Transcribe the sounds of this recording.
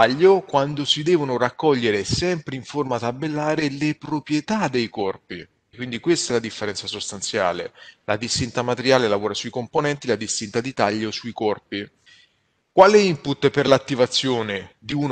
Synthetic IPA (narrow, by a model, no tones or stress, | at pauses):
aʎːokwand̪osid̪ɛːvonorakːɔʎːeɾesɛmpɾeiɱformat̪abelːaːɾelepɾopɾjet̪ad̪ejkɔrpi | kwind̪ikwest̪aɛlad̪ifːeɾɛnt̪sasost̪ant̪sja̰ːlela̰d̪ist̪int̪amat̪eɾjaːlelavoːɾasuikomponɛnt̪ilad̪ist̪int̪ad̪it̪aʎːosuikɔrpi | kwaːleimput̪ːperlat̪ːivat̪sːjoːned̪iun